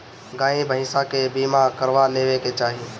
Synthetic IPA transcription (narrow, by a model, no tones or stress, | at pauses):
ɡãːĩbʱəɦɪ̃sãkebiːmakəɾʋaleːʋeket͡ʃaːɦie